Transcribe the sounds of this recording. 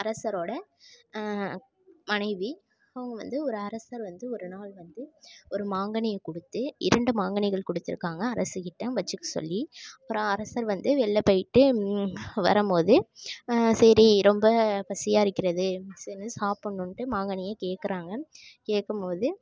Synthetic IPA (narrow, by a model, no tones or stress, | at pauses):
ɐɾɐsɐɾoːɽɐ | mɐnɐɪʋi | ɐʋɐŋɡɐʋɐ̰nd̪ɯɔɾɯɐɾɐsɐɾʋɐnd̪ɯɔɾɯnaːɭʋɐnd̪ɯɔɾɯmaːŋɡɐɳɪjɐkɔɽɯt̪ːɯʔɪɾɐɳɖɯmaːŋɡɐɳɪɣɐɭkɔɽɯt̪ːɪɾɯkːaːŋɡɐːɾɐsɯkɪʈːɐ̃ʋɐt͡ʃːɯkːɯsɔ̰lːiɐpːɯɾoɐ̃ːɐɾɐsɐɾʋɐnd̪ɯʋɛɭːɐpɐjɪʈːɯ | ʋɐ̰ɾɐmpoːðɯ | sɐɾiɾɔmbɐpɐsɪjaːɪɾɯkːɪɾɐðɯsɛnɯsaːpːɐɳːɯɳʈɯmaːŋɡɐɳɪjɐkeːkːɪɾaːŋɡɐkeːkːɐmpoːðɯ